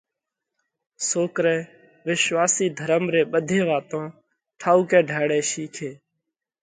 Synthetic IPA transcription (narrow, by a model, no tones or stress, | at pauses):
soːkɾɛ̃ː | ʋɪʃʋaːsiːd̪ʱəɾəmɾeːɓəd̪ʱẽːʋaːt̪õː | ʈʰaːuːkɛ̃ːɖʱaːɽɛ̃ːʃiːkʰeː